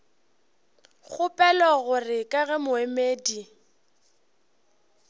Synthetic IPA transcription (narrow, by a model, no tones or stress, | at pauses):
ɣʊpʼɛlɔɣʊrɪkʼaɣɛmʊemeːdi